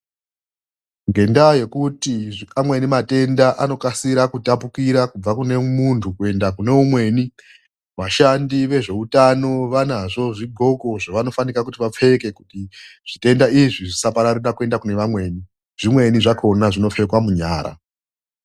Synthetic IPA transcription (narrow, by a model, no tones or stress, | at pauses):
ŋɡe̞ndaje̞kutiamwe̞nimate̞ndaʔano̞kasiɾakutapukiɾakub͡vakune̞muntʰukue̞ndakune̞umwe̞ːni | ʋaʃandiʋe̞ʐe̞utano̞ʋanaʐo̞ʐiɡʱo̞ko̞ʐaʋano̞fanikakutiʋap͡fe̞ke̞kutiʐ̥ite̞ndaiʐiʐisapaɾaɾuɗakue̞ndakune̞ʋamwe̞ːni | ʐ̥imwe̞niʐako̞naʐino̞fekwamuɲaːɾa̰